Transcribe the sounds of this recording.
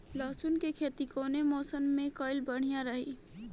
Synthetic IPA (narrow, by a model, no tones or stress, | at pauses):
lɔːsunkekʰeːt̪ikoːnemɔːsənmẽkɔːɪlbəɽ̤ijãɾəɦi